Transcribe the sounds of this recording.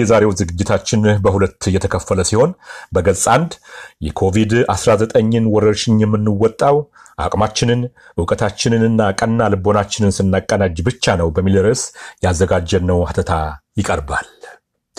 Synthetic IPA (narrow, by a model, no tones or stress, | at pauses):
jɛzaɾe̞wzɨɡɨd͡ʒːɪt̪ʰat͡ʃːɪnbəhulət̪ːɨjɛt̪ʰəkʰəfːələsiho̞nbəɡəlsʼand̪jɛkʰo̞vid̪asɾazət̪ʼəɲːɨnwɔɾəɾʃɪnjɛmːɨnːɨwːɔt̪ʼːaw | ʔa̰kʼmat͡ʃːɪnɨn | ɨwkʼət̪ʰat͡ʃːɪnɨnɨnːakʼənːalɨbo̞nat͡ʃːɪnɨnsɨnːakʼːənad͡ʒbɨt͡ʃːanəwbəmːilɾəsjɛazːəɡad͡ʒːɛnːəwaht̪ʰət̪ʰajɪkʼəɾbal